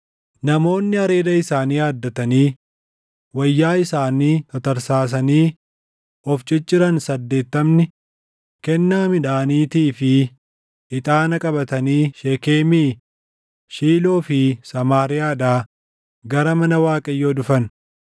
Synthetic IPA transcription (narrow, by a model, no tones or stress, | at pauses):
nɐmo̞ːnːɪɐɾe̞ːd̪ɐɪsaːniːjaːd̪ːɐt̪ɐniː | wɐjːaːɪsaːniːt̪ɔt̪ɐɾsaːs̬ɐniː | ʔɔft͡ʃʼɪt͡ʃʼːɪɾɐnsɐd̪ːe̞ːt̪ːɐmnɪ | kɛnːaːmɪᶑaːniːt̪iːfɪ | ɪt̪ʼaːnɐkʼɐbɐt̪ɐniːʃeːkeːmiː | ʃiːlo̞ːfɪsɐmaːɾɪjaːᶑaː | ɡɐɾɐmɐnɐwaːkʼɐjːoːdʊfɐn